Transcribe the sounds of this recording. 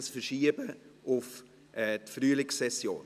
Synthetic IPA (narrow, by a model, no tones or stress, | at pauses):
sfəɾʃiəbəʔʊf | ʔɛtfryːlɪksɛsjo̰ːn